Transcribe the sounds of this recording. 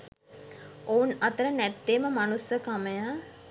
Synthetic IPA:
ounat̪əɾənæt̪ːeməmanusəkaməja

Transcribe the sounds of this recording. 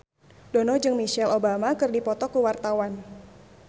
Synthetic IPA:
dɔnɔd͡ʒɨŋmiʃɛlobamakɨrdipɔt̪ɔkuwart̪awan

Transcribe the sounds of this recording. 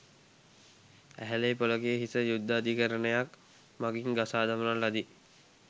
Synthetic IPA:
æ̰ɦælejpoləkejəɦisəjud̪ːəad̪ikəɾənəjak | maɡiŋɡasaːd̪amənallad̪i

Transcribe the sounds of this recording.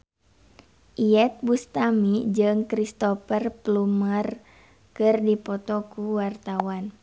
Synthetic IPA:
ʔiɛt̪̚bust̪amid͡ʒɨŋkɾist̪ɔfərplumər | kɨrdipɔt̪ɔkuwart̪awan

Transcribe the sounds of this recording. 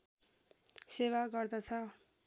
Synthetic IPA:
sewaɡʌrd̪ʌt͡sʰʌ

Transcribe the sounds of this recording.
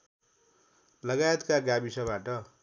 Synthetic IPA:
lʌɡajet̪kaɡabisʌbaʈʌ

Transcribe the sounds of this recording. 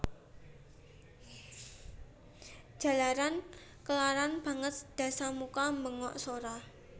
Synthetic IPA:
ʒ̥a̤laɾan | kəlaɾanb̥ä̤ŋət̪̚d̪̥ä̤samukaməŋɔ̰ʔsoɾa

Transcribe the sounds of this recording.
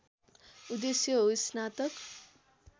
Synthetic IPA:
ud̪esjʌɦosnat̪ʌk

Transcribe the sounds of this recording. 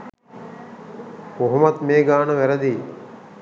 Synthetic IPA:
oɦumɐt̪meːɡaːnəʋæɾɐd̪iː

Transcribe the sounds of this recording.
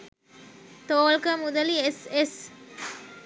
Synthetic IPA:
t̪oːlkəmud̪ɐlieses

